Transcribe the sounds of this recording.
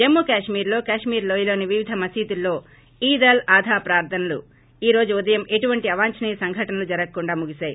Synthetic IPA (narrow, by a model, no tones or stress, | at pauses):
d͡ʒemːukaːʂmiːɾlo̞ːkaːʂmiːɾloːjilo̞ːniʋiʋid̪ʱɐmɐsiːt̪ulːo̞ː | iːd̪ɐlaːd̪ʱaːpɾaːɾd̪ʰʱɐnɐlṵ | iːɾo̞ːd͡ʒuud̪ɐjɐmʔe̞ʈuʋɐɳʈiɐʋaːɲt͡ʃɐnijɐsɐŋɡʱɐʈɐnɐlud͡ʒɐɾɐkɐkuɳɖaːmuɡisaːji